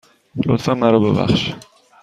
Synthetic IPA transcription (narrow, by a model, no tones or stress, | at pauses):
ot̪fæmːæɾɔbebæ̰χʃ